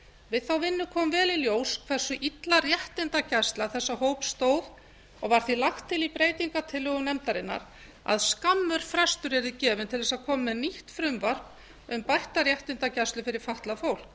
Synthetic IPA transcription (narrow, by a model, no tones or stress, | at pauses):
vɪðθawvɪnːʏkʰɔːmvɛːliljoːwskʰvɛr̥sʏʔit̪larjɛht̪ɪnt̪acɛst̪laθɛsːahowpst̪oːwð | ɔɣvaɾ̥θilaxt̪ʰːɪlipɾeːjt̪iŋkat̪ʰɪlːʏɣʏmnɛmt̪aɾɪnːa̰ɾ | a̰ðskamːʏɾ̥fɾɛst̪ʏɾɛɾðɪcɛːvʏnt̪ʰɪlðɛsaðkʰɔːmmɛðniht̪fɾʏmvar̥p | ʏmpajht̪aɾjɛht̪ɪnt̪acɛst̪lʏfɪɾɪɾ̥faht̪lafowl̥k